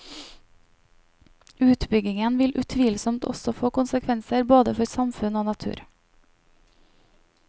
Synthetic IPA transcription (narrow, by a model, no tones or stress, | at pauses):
ʉːt̪bʏɡɪŋənʋɪlʔʉt̪ʰʋiːlsɔmt̪ʰɔ̰sɔfoːkʊnsəkʰʋɛnsəɾboːd̪əfɔɾsɑmfʉnoːnɑt̪ʰʉ̰ːɾ